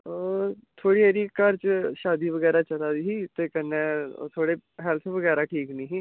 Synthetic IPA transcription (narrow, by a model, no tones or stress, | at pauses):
oːt̪ʰoːɽiːeɾiːkəɾt͡ʃʃaːd̪iːʋəɡɛːɾaːt͡ʃəlaːd̪iːɦiːt̪eːkənːẽːt̪ʰoːɽeːɦɛlt̪ʰʋəɡɛːɾaːʈʰiːknĩːɦiː